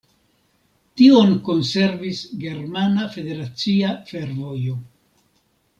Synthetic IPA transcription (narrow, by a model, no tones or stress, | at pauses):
tio̞nko̞nse̞ɾvisɡe̞ɾmanafe̞de̞ɾat͡siafe̞ɾvo̞jo̞